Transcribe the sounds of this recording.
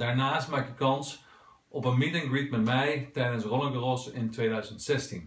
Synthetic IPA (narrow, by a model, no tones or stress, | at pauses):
d̥aːɹnaːstmaːkəkɑns | ʔɔpənmitɪ̃ŋɡɹit̚mɛtmɛjtɛjdənsrɔləŋkərɔsɪntʋejdœɥzəntsɛstin